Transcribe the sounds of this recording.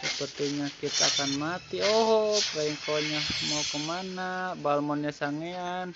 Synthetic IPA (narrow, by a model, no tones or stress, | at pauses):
səpərt̪iɲakit̪aːkanmat̪ioɦɔpɾaiŋkoɲahmokəmanabalmɔnɲasaŋean